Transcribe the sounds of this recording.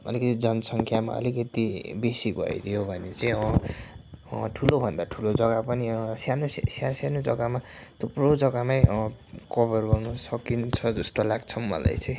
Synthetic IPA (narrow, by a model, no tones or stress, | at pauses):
ʌ̰likʌt̪id͡zʌnsʌŋkʰjama̰ʌ̰likʌt̪ibesibʱʌ̰j̰t̪ʰijobʱʌnet͡saĩʌ | ʈʰulobʱʌnd̪aʈʰulod͡zʌɡapʌniʌ̃sjanossjarsanod͡zʌ̰ɡama | t̪oprod͡zʌɡamajkʌbʌrɡʌrnʌsʌkint͡sʰʌd͡zʌst̪olaɡt͡sʰʌmːʌ̰la̰jt͡saj̃